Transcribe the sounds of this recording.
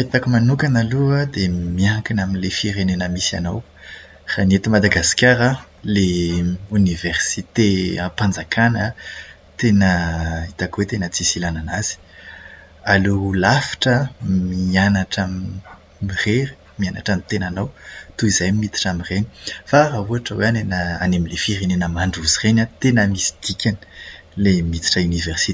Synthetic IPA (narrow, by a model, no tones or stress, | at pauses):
pet̪akimanukanaluad̪emiakinaminilefiɾenenəmisia̰now | ranet̪imad̪aɡaskʲaɾə | leuniversit̪eapand͡zakʰanə | t̪enəit̪akwet̪enət͡sisilananaz̥i̥ | alulafḁʈ͡ʂəmianaʈ͡ʂam | mireɾi̥ | mianaʈ͡ʂamit̪enanawt̪uizajmimit̪i̥ʈ͡ʂamireni̥faɾauaʈ͡ʂəweanenəanemilefiɾenenəmaɳɖ͡ʐuzirenat̪enəmisi̥d̪̥ikʲanə̥ | lemit̪i̥ʈ͡ʂaunivɛrsit